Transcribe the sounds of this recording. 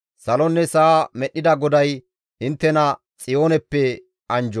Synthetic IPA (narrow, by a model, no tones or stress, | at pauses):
sɐlɔnːɛsaːmɛɗːɪd̪ɐɡɔd̪ɐj | hɪnt̪ːɛnɐ | t͡sʼɪjo̞ːnɛpːɛ | ʔɐnd͡ʒɔ